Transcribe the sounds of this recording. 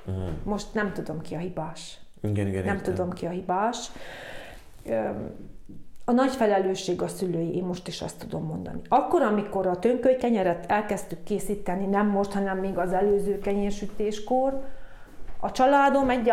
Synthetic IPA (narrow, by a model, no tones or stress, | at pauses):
mo̞ʃt̪nɛmt̪ud̪o̞mkiɒɦibaːʃ | ɡnɛmt̪ud̪o̞mkiɒɦibaːʃ | ɒnɒcfɛlɛløːʃːeːɡɒsyløːjiʔeːmmo̞ʃt̪iʃɒ̰st̪ːud̪o̞mːo̞̰nd̪ɒ̰niɒkːo̞ɾɒmiko̞ɾɒt̪øŋkøjkɛɲɛɾɛt̪ɛlkɛst̪ykːeːsiːt̪ɛninɛmːo̞ʃt̪hɒnɛmːeːɡɒzɛløːzøːkɛɲeʃyt̪eːʃkor | ɒt͡ʃɒlaːd̪o̞mɛɟː